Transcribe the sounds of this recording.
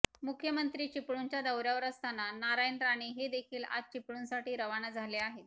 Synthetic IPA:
mukʰjəmənt̪ɾiːt͡ɕipɭuɲt͡ɕjad̪əwɾjaʋəɾəst̪anːanaɾajnɾaɽ̃iɦed̪ekʰiːla̰d͡z̚t͡ɕipɭuːnsaʈiːɾəʋanad͡zʱaleaɦet̪

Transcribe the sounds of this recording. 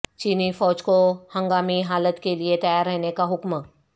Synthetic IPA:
t͡ɕinifɔd͡ʑkohəŋɡamiːɦalət̪keliet̪əjaɾːəɦnekaɦukmə

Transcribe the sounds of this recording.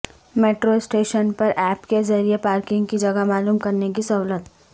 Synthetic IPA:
meːʈɾosʈeːʃənpɐɾʔɛːpkezɐɾiepaːɾkɪ̃ŋɡkid͡ʒɐɡamaːluːmkɐɾnek̬isɐɦʊlət̪

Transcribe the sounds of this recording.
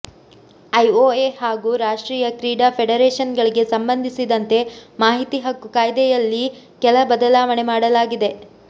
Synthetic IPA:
ɐjoːeːhaːɡuːɾaːʂʈɾiːjɐkɾiːɖapʰeɽɐɾeːʂɐnɡɐɭiɡe̞sɐmbɐnd̪ʱisid̪ɐnt̪e̞maːɦit̪iɦɐkːukaːjd̪ɛjɐlːi | kɛlɐbɐd̪ɐlaːʋɐɳe̞maːɽɐlaːɡid̪e̞

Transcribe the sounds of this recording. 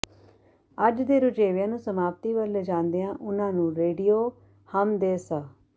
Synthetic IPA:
əd͡ʒd̪eːɾʊd͡ʒeːʋjãːnũːsəmaːp̚t̪iːʋəld͡ʒãːnd̪eãːʔʊnãːnũːɾeːɖijoː | həmd̪eːsaː

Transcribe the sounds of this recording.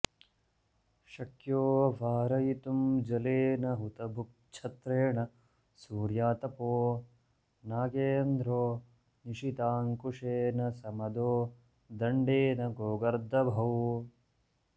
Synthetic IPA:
ʃɐkjoːʋaːɾɐjit̪umd͡ʒɐleːnɐɦut̪ɐbʱuk̚t͡ʃʰɐt̪ɾeːɳɐ | suːɾjaːt̪ɐpoː | naːɡeːnd̪ɾoː | niʂit̪aːŋkuʂeːnɐsɐmɐd̪oː | d̪ɐɳɖeːnɐɡoːɡɐɾd̪ʱɐbʱɐw

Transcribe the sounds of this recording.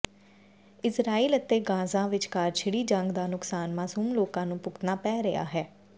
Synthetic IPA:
ɪsɾaːiːlət̪ːeːɡãːzãːʋɪt͡ʃkaːɾt͡ʃʰɪɽiːd͡ʒəŋɡd̪aːnʊksaːnmaːsuːmloːkãːnũːpʊkt̪naːpɛːɾea̰ːɦɛː

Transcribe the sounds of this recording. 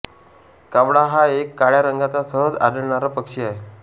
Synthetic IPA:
kaʋɽaɦaekːaɭjaɾəŋɡat͡sasəɦəd͡za̰d̪əɽɳaɾapəkʂiaɦe

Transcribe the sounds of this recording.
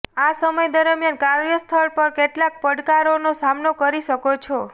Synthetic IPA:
asəməjd̪əɾmjankaɾjəst̪ʰəɭpəɾkeʈlak̚pəɽkaɾonosamnokəɾiʃəkot͡ʃʰo

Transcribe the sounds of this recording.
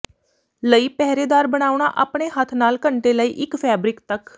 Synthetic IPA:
ləiːpɛɦɾeːd̪aːɾbəɽ̃aːuɳ̃a̰ːʔaːpɳeːɦət̪ʰnaːlkəɳʈeːləiːʔɪkpʰɛːbɾɪkt̪ək

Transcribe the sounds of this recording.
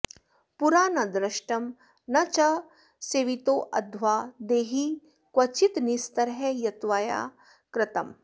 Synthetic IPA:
puɾaːnɐd̪ɾɪʃʈɐm | nɐt͡ʃɐ | seːʋit̪oːʔɐd̪ʱʋaːd̪eːɦi | kwɐt͡ʃit̪nist̪ɐɾɦɛjɐt̪ʋaːja̰ː | kɾɪt̪ɐm

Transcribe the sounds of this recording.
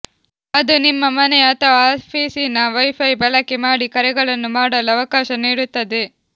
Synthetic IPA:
ɐd̪unimːɐmɐneɐt̪ʰɐʋapʰiːsinɐʋɐjpʰɐjbɐlɐkːemaːɽikɐɾɛɡɐɭɐnːumaːɽɐlɐɐʋɐkaːʃɐniːɽut̪ːɐd̪e̞

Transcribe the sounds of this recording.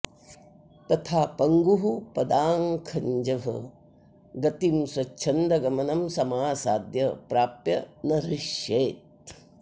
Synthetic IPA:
t̪ɐt̪ʰaːpɐŋɡuɦupɐd̪aːŋkʰɐɲd͡ʒɐɦɐ̰ | ɡɐt̪imswɐt͡ʃːt͡ʃʰɐnd̪ɐɡɐmɐnɐmsɐmaːsaːd̪jɐpɾaːpjɐnɐɾiʃjeːt̪̚

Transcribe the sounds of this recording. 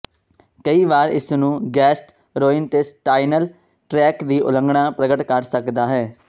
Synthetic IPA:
kəiːʋaːɾɪ̰snũːɡɛːsʈ | ɾoːɪnt̪eːsʈaːinəl | ʈɾɛːkd̪iːʔʊ̰lə̃ŋɡɳãːpɾəɡəʈkəɾsəkd̪aːɦɛː

